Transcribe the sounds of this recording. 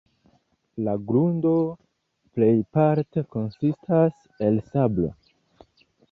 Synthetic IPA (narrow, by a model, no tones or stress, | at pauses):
laɡɾundo̞ | ple̞jpaɾte̞ko̞nsistʰas | e̞lsablo̞̰